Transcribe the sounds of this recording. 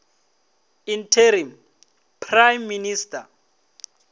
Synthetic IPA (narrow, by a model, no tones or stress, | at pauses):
intʰeɾim | pʰrajmːinistʰʼa